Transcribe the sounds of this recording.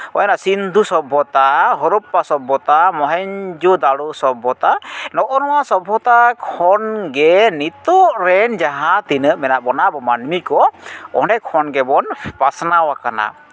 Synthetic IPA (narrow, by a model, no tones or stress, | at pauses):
ɔjanasind̪ʱusɔbʱɔt̪aɦɔɾupːasɔbʱɔt̪amɔɦɛɲd͡ʒud̪aɽusɔbʱɔt̪anɔʔɔnɔwasɔbʱɔt̪akʰɔnɡɛnit̪ɔʔɾɛnd͡ʒaɦat̪inəʔmɛnaʔbɔnabɔmanmikɔɔɖɛkʰɔnɡɛbɔnpasnawakana̰